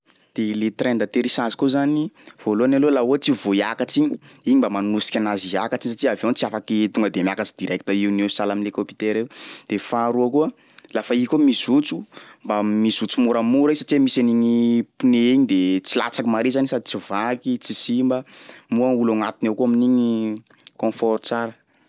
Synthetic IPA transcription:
d̪̥elet̪rend̪at̪eɾisazi̥kozaniv̥oloanalolaot͡sivoiakat͡siɲiiɲimbamanusi̥kʲanaziakat͡siɲis̬aʈ͡ʂiavent͡siafakt̪uŋɡəd̪emiakat͡si̥d̪̥iɾaki̥t̪aiunesalaminlekopi̥t̪eɾewd̪̥efaɾuakuə | lafaikʲomisut͡sumbamisut͡sumuɾəmuɾisaʈ͡ʂimisaniɲipuneiɲid̪et͡sila̰t͡sakimaɾezanisad̪it͡sivakit͡sisimbəmuaulaŋat̪inewkuaminiɲi | kɔ̃fɔɾt͡saɾə

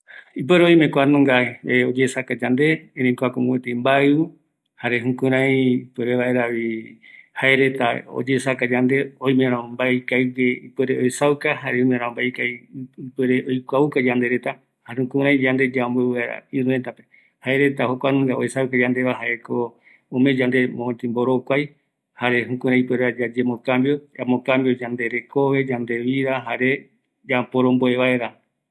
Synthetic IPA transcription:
ip̬eɾeoj̃mẽkʷanũŋɡaeod͡ʒesakad͡ʒand̪eẽɾẽkoakoŋɡet̪eimbaɨu | haɾeɦũkũɾ̃ãĩpeɾeβaʔeɾaβi | haeɾet̪ao̰d͡ʒeːsakad͡ʒand̪eoj̃mẽɾãmbaikajɡeipeɾeojsawkahaɾeõmẽɾ̃ãmbajkaipeɾeʔojkʷaukad͡ʒand̪e̞ɾet̪a | hahũkũɾãj̃d͡ʒand̪ed͡ʒaombeβaeɾa̰ĩɾũent̪ape | hae̞ɾe̞t̪ahokʷanɨ̃ŋɡaoesawkad͡ʒand̪e̞βaɦaʔeko | õmẽd͡ʒand̪e̞mõt̪ĩmboɾokʷaj | haɾe̞ɦũkũɾ̃ãĩpeɾad͡ʒad͡ʒemõkambjoamõkãmbijod͡ʒand̪e̞ɾe̞ko̞βe̞d͡ʒand̪e̞βiɾaɦaɾe̞ | d͡ʒapoɾõmboe̞βaeɾa

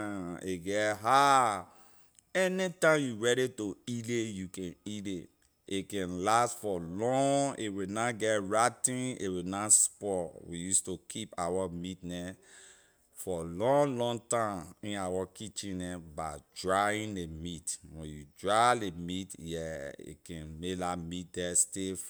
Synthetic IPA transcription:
eɡɛtɦa | ɛnitãmjuɹɛɾitoilejukɛ̃nide | ekɛ̃nlastfɔlɔ̃ŋewinaɡɛtɹatĩnḛwinaspɔwijustokʰipawamitnɛ | fɔlɔ̃ŋlɔ̃ŋtãmĩnawakʰit͡ʃĩnɛbaɪdɹaĩnlemitwɛ̰̃njudɹalemitjɛḭkɛ̃nmelamit̚dɛstef

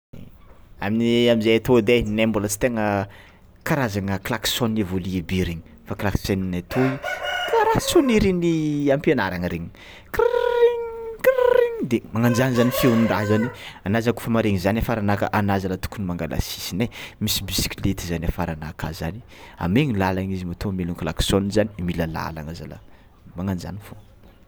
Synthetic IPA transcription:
aminiamizajat̪od̪enembulət͡si̥t̪eŋə | kaɾazaŋəklaksonːivoliebiɾiɲi̥ | faklakseninat̪ʰoikaɾasuniɾiniampienaɾaŋəɾeɲi̥ | kɾiŋkɾiŋd̪emaŋand͡ʒanizanifewnind̪azanianazaku̥famaɾeŋizanafaɾanakə̰ʔanazalət̪u̥kunimaŋɡala̰si̥sinajmisibisi̥kʲilet̪izaniafaɾanaka̰za̰ni̥a̰meŋilalaŋizimat̪omeluŋkla̰ksonizanimiləla̰la̰ŋaza̰la̰ | maŋand͡ʒa̰nifo

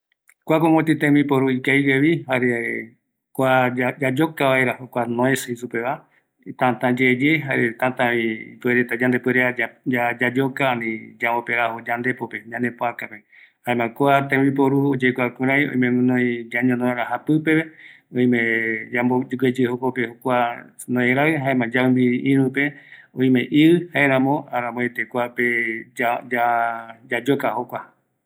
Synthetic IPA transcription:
kʷakõŋõt̪it̪ẽmĩpoɾuikajweβihaɾe | koaad͡ʒad͡ʒokaβaeɾahokʷanõeseisupeβa | t̪ãt̪ãd͡ʒed͡ʒeɦaɾet̪ãt̪ãḭpueɾet̪ad͡ʒãnd̪epweɾeaad͡ʒad͡ʒokaːnĩd͡ʒamopeɾahod͡ʒand̪epopeɲãnd̪epoakape | haemãkoat̪ẽwip̬oɾuod͡ʒekʷakũɾajõ̰ĩmẽnõĩɡaɲõnõeɾaɦapɨpe̞βe | õj̃mẽd͡ʒamboɡed͡ʒɨhokopehokʷa | nõeɾaɨɦaemãd͡ʒambiʔĩɾũpe̞õĩmẽ̞ʔiɨhaeɾãmõaɾãmoet̪ekʷaped͡ʒaad͡ʒad͡ʒokahokʷa

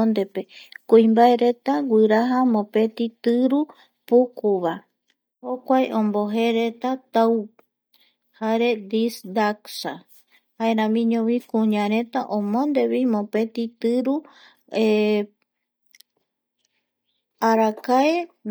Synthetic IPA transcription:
nd̪e̞pe̞kuĩmbaeɾe̞t̪aɡʷɨɾaɦamõpe̞t̪it̪ɨɾu | pukuβa | hokʷajʔõmboɦeɾet̪at̪au | haɾed̪isd̪aksa | haeɾãmĩɲõβikũɲãɾẽ̞t̪aʔõmõnd̪e̞βimõpe̞t̪it̪ɨɾu | e | aɾakae

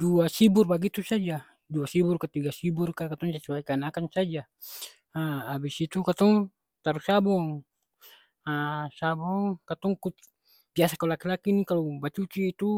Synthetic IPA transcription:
duasiburbaɡit̪usad͡ʒa | duasiburkat̪iɡasiburkakat̪ɔŋsat͡ʃubaikanakansad͡ʒa | aabisit̪ukat̪ɔŋ | t̪aɾusabɔŋ | asabɔŋkat̪ɔŋkut̪ | biasakalakilakinikalɔbat͡ʃut͡ʃiːt̪u

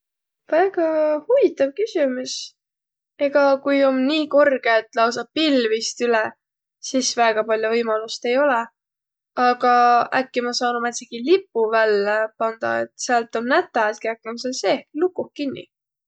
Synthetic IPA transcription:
væɡ̥ɑhuvit̪ːˑɑvkysʲimus | e̞ɡ̥ɑkujo̞mniːko̞rɡ̥eet̪ːˑlɑws̬ɑpilvist̪ylɛ | sisvæɡ̥ɑpɑlʲjuvɤjmɑlust̪e̞jo̞lɛ | ɑɡ̥ɑækːimɑsɑːnumæt̪seɡ̥ilipːˑuvælːepɑnd̪ɑ̰ḛt̪seɑlt̪ːˑo̞nːæt̪ːˑɑt̪̚keækːˑemseseehklukːˑuhkinːḭ

